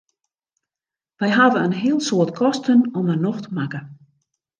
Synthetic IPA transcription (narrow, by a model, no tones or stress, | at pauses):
ʋɛjɦadənənɦiəlˠsoətkʰɔstənɔmənoxtəmakə